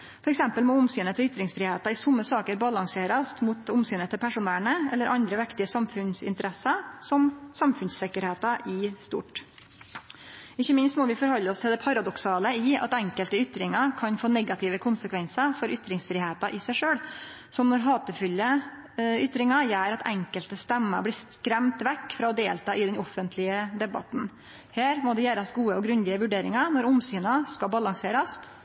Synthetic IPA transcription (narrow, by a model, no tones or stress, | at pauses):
fɔɾɛksɛmpəlmɔʊmsyːnət̪ʰɪlʏt̪ɾɪŋsfɾɪːheːt̪ɑɪsʊmːəsɑːkəɾbɑlɑŋseːɾɑst̪mut̪ʊmsyːnət̪ʰɪlpʰæʂʊnæːɳəɛ̰lːəɾʔɑnd̪ɾəʋɪkt̪ɪəsɑmfʉnsɪ̰nt̪əɾɛsɑsɔmsɑmfʉnssɪkːəɾheːt̪ɑɪst̪ṵːʈ | ɪçːəmɪnst̪mɔːʋɪfɔɾhɔlːəɔst̪ʰɪld̪ɛpʰɑɾɑd̪ɔksɑːləɪːɑ̰t̪ɛŋkəlt̪əʏt̪ɾɪŋɑkʰɑnfoːnɛɡɑt̪ʰɪʋəkʰʊnsəkʰʋɛnsəfɔɾʔʏt̪ɾɪŋsfɾɪːheːt̪ɑʔɪsæɪʂøːɽ | sɔmnɔɾɦɑːt̪əfʏlːə | ʏt̪ɾɪŋɑjæːɾɑt̪ʰɛŋkəlt̪əst̪ɛmːə̰blɪːskɾɛmt̪ʋɛkːfɾɑːɔd̪eːlt̪ɑːʔɪd̪ɛnɔfːənt̪ʰlɪəd̪ɛbɑ̰t̪n̩ | heːɾmɔd̪ɛjæːɾɑsɡuːəɔɡɾʉnd̪ɪəʋʉɖeːɾɪŋɑnɔɾʊmsyːnɑskɑbɑlɑŋseːɾɑst̪